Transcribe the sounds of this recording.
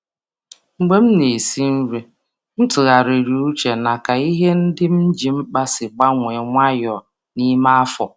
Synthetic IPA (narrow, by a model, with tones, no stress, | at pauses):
ŋ͡m̩˨ɡ͡be˦m̩˦ne˨si˦n̩˦ɾe˨ | n̩˦tʊ˨ɣa˨ɾe˨ɾi˨u˦t͡ʃe˨na˨ka˨i˦ɦe˦n̩˦dɪ˦m̩˦d͡ʒi˨m̩˦k͡pa˦sɪ˨ɡ͡ba˦ŋʷe˨ŋʷa˦jɔ˨ | ni˦ma˦a˦fɔ˨